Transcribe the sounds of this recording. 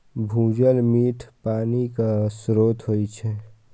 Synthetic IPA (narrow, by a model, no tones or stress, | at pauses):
bʱũːd͡ʒəlmiːʈʰpaːnikasɾoːt̪ɦoit͡ʃʰɛ